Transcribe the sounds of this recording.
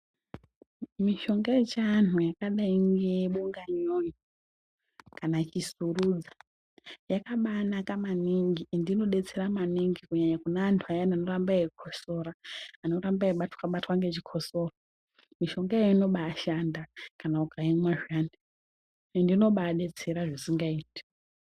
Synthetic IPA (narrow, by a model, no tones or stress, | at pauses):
miʃo̞ŋɡat͡ʃanujakaɗaiŋɡe̞ɓuŋɡaɲoji | kanat͡ʃisuruːd͡za | jakaɓaːnakamaniŋɡindino̞ɗe̞t͡seɾamaniŋɡikuɲaɲakunaːntʰuajanano̞rambaekʰoso̞ɾaano̞ɾambaeɓatwaɓatwaŋɡe̞t͡ʃikʰo̞sora | miʃo̞ŋɡaejoino̞ɓaːʃandakanaukʰaimwaʐaːnde | ndino̞ɓaɗe̞t͡se̞ɾaʐisiŋɡaiːti̥